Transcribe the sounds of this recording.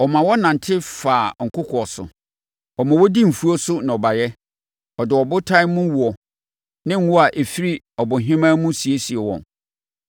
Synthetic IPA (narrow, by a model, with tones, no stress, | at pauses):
ɔ˨mã˨wɔ˦nã˨n˨tʰɪ˦faː˨ŋ̩˨kʰʊ˦kʰɔ˨ɔ˨sʊ̰˨ | ɔ˨mã˨wɔ˦di˦m̩˨fu˦o˦sʊ˦nã˨ɔ˨ba˨jɛ˦ | ɔ˨dɪ˨ɔ˨bʊ˦tʰã˦ɪ˦mʊ̃˦wu˨ɔ˨ | nɪ̃˦ŋ̩˦wʊ˦a˨ʔe˨fi˦ɾi˦ | ɔ˨bʊ˨ɦɪ̃˦mã˦mũ˦si˨e˦si˨ɛ˨wɔ̰̃˨n